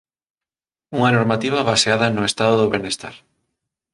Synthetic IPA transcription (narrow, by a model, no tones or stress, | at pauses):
uŋɐnoɾmat̪iβɐβaseaðɐnʊest̪aðoðoβenest̪a̰ɾ